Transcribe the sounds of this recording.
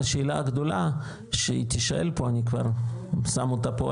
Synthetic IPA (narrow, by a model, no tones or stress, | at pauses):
ʃeːlaɡd̪ola | ʃeit̪iʃaʔḛlpoanikva̰ʁsamot̪apo